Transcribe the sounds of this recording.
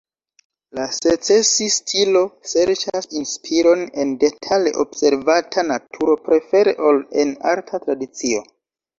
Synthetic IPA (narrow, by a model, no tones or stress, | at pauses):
laset͡sesistʰilo̞seɾt͡ʃasinspʰiɾo̞ne̞nde̞tʰale̞̰ʔo̞bse̞ɾvatʰanatʰuɾo̞pɾe̞fe̞ɾe̞ʔo̞lena̰ɾtʰatɾadit͡sio̞